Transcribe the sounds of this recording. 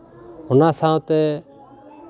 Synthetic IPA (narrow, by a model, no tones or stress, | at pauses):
hʊnãːsãːõt̪ɛː